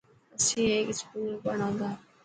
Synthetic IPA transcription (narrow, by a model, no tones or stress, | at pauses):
əsĩːeːkskuːlbəɽãːd̪aː